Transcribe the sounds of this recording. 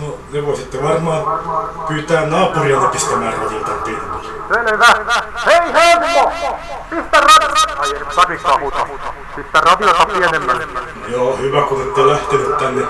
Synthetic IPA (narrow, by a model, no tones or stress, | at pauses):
no | neʋoˑisit̪ːeʋɑrmɑːpyːt̪æːnnɑːpuriɑrɑkist̪æmæːrrɑʋit̪ɑnp̪ilmi | seleʋæheiheːnko | pist̪ærɑ | sɑkikːɑut̪ɑ̰ | sit̪ːærɑt̪iot̪ɑpienemːæn | joːhyʋækunet̪ːelæht̪inyt̪t̪ænːe